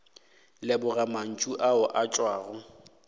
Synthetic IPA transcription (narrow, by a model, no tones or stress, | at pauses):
lɛbʊraman̩t͡ʃʼuʔaʊʔat͡ʃʼwaːɣʊ